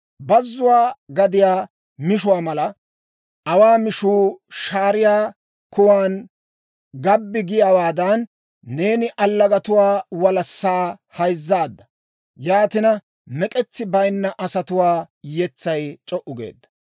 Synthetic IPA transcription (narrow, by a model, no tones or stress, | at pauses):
bɐzːʊwaːɡɐd̪ɪjaː | mɪʃʊwaːmɐlɐ | ɐwaːmɪʃuːʃaːɾɪjaː | kʊwaːn | ɡɐbːɪɡɪjaːwaːd̪ɐnː | e̞ːnɪʔɐlːɐɡɐt̪ʊwaːwɐlɐsːaːhɐjzːaːd̪ːɐ̥ | jaːt̪ɪnɐ | mɛkʼɛt͡sːɪbɐjnːɐʔɐsɐt̪ʊwaː | jɛt͡sːɐjt͡ʃʼɔʔʊɡḛːd̪ːɐ̥